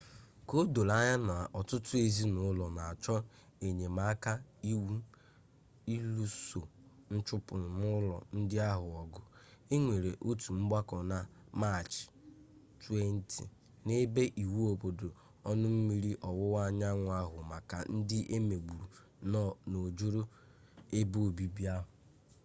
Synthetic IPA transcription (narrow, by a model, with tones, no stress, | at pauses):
ko˦do˨la˦ɲa˦na˨ɔ˨tʊ˦tʊ˦e˨zi˦nʊ˨˦lɔ˨na˨a˨t͡ʃɔ˦ | e˨ɲe˨ma˨˦ka˦i˦wu˦ | i˦lu˦so˨ | n̩˦t͡ʃʊ˦pʊ˨mʊ˦lɔ̰˨n̩˦dɪ˦a˦ɦʊ˨ɔ˨ɡʊ˦e˦ŋʷe˨ɾe˨ʔo˦tu˨m̩˦ɡ͡ba˦kɔ˨na˦ | ma˦˨t͡ʃ | tu˦e˦n̩˦tʰḭ˨ | ne˦be˦ʔi˨wu˦o˨bo˨do˨ | ɔ˦nʊ˦m̩˦mi˦ɾi˦ʔɔ˨wʊ˦wa˦˨ɲa˦ŋʷʊ˨a˦ɦʊ˨ma˨ka˨n̩˦dɪ˦ʔe˦me˨ɡ͡bu˨ɾu˨˦ | no˨d͡ʒo˦ɾo˦ | e˦bo˦o˨bi˦bi˦a˦ɦʊ˨